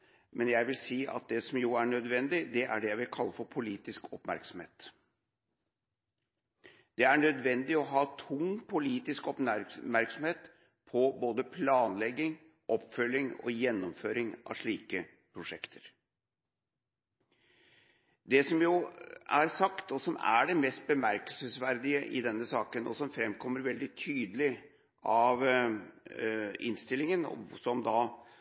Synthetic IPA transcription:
mʔɛnjæɪʋɪlsiːʔɑ̰t̪̚d̪ɛsɔmjʊæɳœd̪ʋɛnd̪ɪd̪ɛʔæ̰ɖɛjæɪʋɪlkʰɑlːəfɔɾpʰʊliːt̪ɪskʰɔpmæ̰ɾksɔm̩hḛːt̪ | d̪̥ɛæɳœd̪ʋɛnd̪ɪɔɦɑːt̪ʰʊŋpʰʊliːt̪ɪskɔpæmæɾksɔmheːt̪ | pʰɔboːd̪əpʰlɑːnlɛɡːɪŋ | ʔɔpfœlːɪŋɔ̰jɛnːɔmføːɾɪŋʔɑ̰ʋʂɭiːkə | pʰɾʊʂɛkt̪ʰəɾ | d̪ɛsɔmjʊæɾsɑkt̪ɔsɔmæ̰ɖɛmɛst̪̚bəmæɾkəlsəsʋæɾd̪ɪəʔɪ̰d̪ɛnːəsɑːkənɔ̰sɔmfɾɛmkʰɔmːəɾʋɛld̪ɪt̪ʰyːd̪əlɪ | ɑʋ | ɪnst̪ɪlːɪŋənɔ̰sɔmd̪ɑ

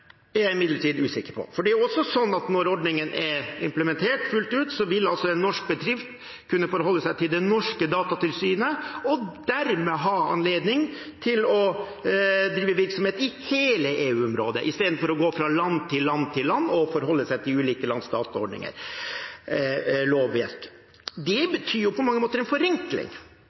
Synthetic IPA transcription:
æjæɪɪmɪd̪ləʈʰiːd̪ʉːsɪkəɾpʰɔ̰fɔɖɛæɾjʊɔsːɔsɔnːɑt̪nɔɾɔɖnɪŋənʔɛɾɪ̰mpləmɛnt̪ʰeːʈfʉlt̪ʉːt̪sɔʋɪlːɑlsɔɛnːɔʂk̚bəd̪ɾɪft̪ | kʰʉnːəfɔɾɦɔlːəsæɪt̪ʰɪld̪ɛnɔʂkəd̪ɑːt̪ɑt̪ɪlsyːnəɔd̪̥æɾmɛɦɑːɑ̰nleːd̪nɪŋ | t̪ʰɪlɔ | d̪ɾiːʋəʋɪɾksɔmheːt̪ɪheːləʔeːʉːɔmɾoːd̪ə̰ʔɪst̪eːd̪n̩fɔɾɔɡoːfɾɑlɑnt̪ʰɪlːɑnt̪ʰɪlːɑnːɔfɔɾɦɔlːəsæɪt̪ʰɪlʉːliːkəlɑnsd̪ɑːt̪ɑɔɖɳnɪ̰ŋə̰ɾ | loːʋʋɛ̰ɾk | d̪ɛbət̪ʰyːjʊpʰɔmɑŋːəmoːt̪əɾɛnfɔɾɛŋklɪ̰ŋ

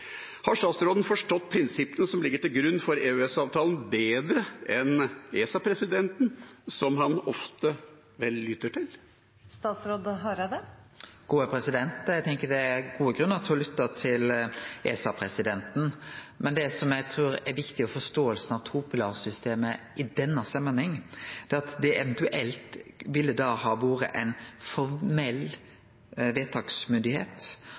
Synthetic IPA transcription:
hɑʂt̪ɑːt̪sɾoːd̪n̩fɔʂʈɔt̪ːpʰɾɪnsɪpːənəsɔmlɪɡːəʈɪlɡɾʉnːfɔɾeːʉɛsɑːʋt̪ʰɑːln̩beːd̪ɾəɛneːsɑpʰɾɛsɪd̪ɛnt̪n̩sɔmhɑnɔft̪ə | ʋɛlːʏt̪ːəʈʰɪl | st̪ɑːt̪sɾoːd̪ɦɑɾɑd̪ɛ | ɡ̥uːəpʰɾɛsɪd̪ɛnt̪æɡt̪ʰɛŋkəɖɛæɡuːəɡɾʉnːɑt̪ʰhɔlʏt̪ːət̪ʰɪleːsɑpʰɾɛsɪd̪ɛnt̪n̩mʔɛnd̪ɛsɔmjæɪt̪ʰɾʉːɾɛɾʋɪkt̪ɪɔfɔʂt̪oːəlsn̩ɑʋt̪ʰuːpʊlɑːɾsʏst̪eːməʔɪd̪ɛnːɑst̪ɛmːənhɛŋːd̪̥ɛːɑt̪d̪ɛʔɛʋɛnt̪ʉʔɛlt̪ʋɪlːəd̪ɑhɑːʋoːɾə̰ʔɛɪnfɔɾmɛlː | ʋeːt̪ʰɑːɡsmʏnd̪ɪheːt̪

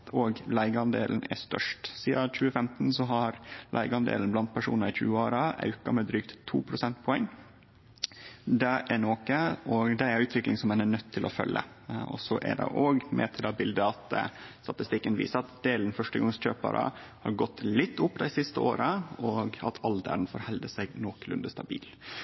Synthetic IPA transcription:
oːɡlæɪɡəɑnd̪ḛːlnæ̰st̪œ̰ʂʈsiːɑc͡çʉːəfɛmt̪n̩sɔɦɑɾlʔæ̰ɪɡəɑnd̪ḛːlən̩blɑnt̪̚pʰæʂṵːnɑɾɪçʉ̰ːəoːɾɑɑ̰ʉkɑmɛd̪ɾyːkt̪ʰːuːpʰɾʊsɛnt̪̚pʰɔɛŋː | d̪ɛʔæɳoːkəɔd̪ɛæɾʉːt̪ʰʋɪklɪŋsɔmɛnænœt̪ʰːɪlʔɔfœ̰lːə̰ | ɔ̰sɔʔæ̰ɖɛ̰ʔoːɡmʔɛ̰t̪ʰɪlɑbɪld̪əɑt̪st̪ɑt̪ɪst̪ɪkːənʋḭːsəɾɑt̪d̪eːln̩fœʂʈəɡɑŋsc͡çøːpɑ̰ɾʔə̰hɑ̰ɾɡɔt̪ːlɪt̪ʰːʊpːd̪æɪsɪst̪əoːɾəɔɡɑ̰t̪ʰɑld̪æ̰ɾnfɔɾhɛld̪əsæɪnoːklʉ̰nd̪əst̪ɑbḭːl

